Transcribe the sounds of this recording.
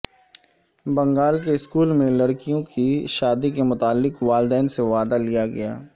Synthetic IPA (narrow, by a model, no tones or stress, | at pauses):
bɐ̃ŋɡaːlkeɪskuːlmẽlɐɽkijõkiʃaːd̪ikemʊt̪aːlːɪqʋaːld̪ɛːnseʋaːd̪alijaɡɐ̰ja̰ː